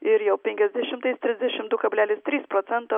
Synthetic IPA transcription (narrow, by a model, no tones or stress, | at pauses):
ɪɾjɛʊpʲɛŋʲkʲɛzʲd̪ʲɛʃʲɪmt̪ɐɪst̪ʲɾʲɪzʲd̪ʲɛʃʲɪmd̪ʊkɐbʲlʲæːlʲɪst̪ʲɾʲiːspɾoːt̪sʲɛnt̪o